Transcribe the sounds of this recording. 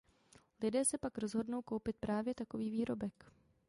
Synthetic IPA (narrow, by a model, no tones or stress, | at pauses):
lɪdɛːsɛpakɾo̞zɦo̞dno̞wkowpɪt̪̚pɾʔaːvjɛt̪ako̞viːviːɾo̞bɛk